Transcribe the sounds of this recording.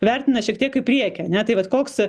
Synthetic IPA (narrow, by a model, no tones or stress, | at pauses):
ʋʲɛɾʲt̪ʲɪnɐʃʲiɛkt̪ʲiɛkɪpʲɾʲiɛkʲɛɐnʲɛt̪ɐɪʋɐt̪koːks